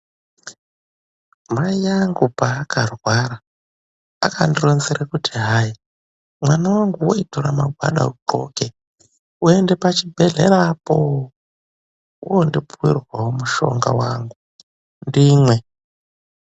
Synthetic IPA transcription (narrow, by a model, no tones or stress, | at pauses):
majaŋɡupaːkʰarwaɾa | aka̰ndironziɾakutʰiɦai | mwanawaŋɡuwoitoɾamaɡʱwa̰ɗa̰uǃo̰ke | uendepat͡ʃibʱeɮḛɾapo | ondipʰuirwaɦomuʃo̰ŋɡa̰waŋɡu | ndiːmwe